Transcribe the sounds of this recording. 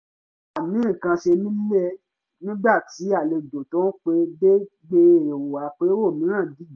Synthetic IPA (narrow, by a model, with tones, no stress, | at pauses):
a˨mĩ˨˦˨kã˧ʃe˧nĩ˦ɛ˦ | nĩ˦ɡ͡ba˦˨ti˨˦a˦˨le˧do˨tɔ̃˦k͡pe˧de˦ | ɡ͡be˧ɾe˧˨e˨wo˨a˨k͡pe˦wo˦˨mĩ˨˦ɾ̃ã˦˨di˦˨˦